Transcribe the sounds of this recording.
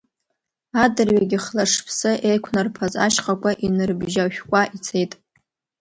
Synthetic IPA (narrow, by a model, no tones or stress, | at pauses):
adɨrɥaɡʲɪχlaʂpʰsɨʔejkʷʰnarpʰaza̰ʃqʼakʷʼaʔinɨrbʒaʃᶣkʷʼaʔit͡sʰe̞jtʼ